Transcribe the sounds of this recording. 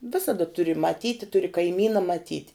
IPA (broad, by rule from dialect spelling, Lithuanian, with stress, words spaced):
ˈʋʲɪsɐdɐ ˈtʊrʲɪ mɐˈtʲiːtʲɪ ˈtʊrʲɪ kɐɪˈmʲiːnɐ mɐˈtʲiːtʲ